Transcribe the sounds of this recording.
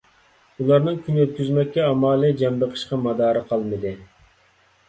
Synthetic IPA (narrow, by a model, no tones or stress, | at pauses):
ulˠɑɾnɨŋkʲʰynyøt̪̚kʲyzmɛk̚ʲːɛɑmɑːlˠid͡ʒɛmbəqʰə̥ʃqɑmɑd̪ɑːɾɨqʰɑlˠmɨd̪ɨ